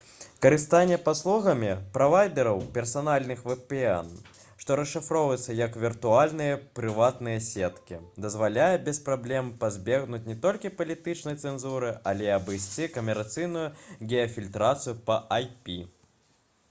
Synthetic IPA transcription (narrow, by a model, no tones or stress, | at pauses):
kɐɾɨst̪anʲːɛpaslˠuɣɐmʲipɾavajd̪ɛɾɐwpʲɛrsanalʲnɨxvɛpɛɛ̰n | ʂt̪ɔɾɐʂːɨfɾɔvɐjɛt̪sːɐjɐkvʲirt̪ualʲnɨjɐpɾɨvat̪nɨjɛsʲɛt̪kʲid̪ɐzvalʲajɛbʲɛspɾablʲɛmpazʲbʲɛɣnut͡sʲnʲɛt̪ɔlʲkʲipɐlʲit̪ɨt͡ʂnɐjt̪sɛnzuɾɨalʲɛɐbɨjsʲt͡sʲikɐmʲɛɾat̪sɨjnujuɡʲɛjɐfʲilʲt̪ɾat̪sɨjupɐʔajpʲi